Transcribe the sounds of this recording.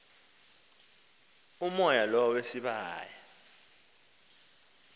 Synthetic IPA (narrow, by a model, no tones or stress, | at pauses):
umɔjalɔwesiɓaːja